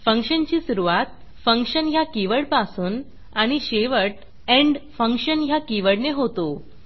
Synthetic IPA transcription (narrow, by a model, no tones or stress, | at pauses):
fəŋkʂənt͡ɕiːsuɾuʋat̪ | fəŋkʂənɦjakiʋəɽpasuːn | aɽ̃iɕeʋəʈ | ɛ̃ɳɖfəŋkɕənjakiʋəɽneɦot̪o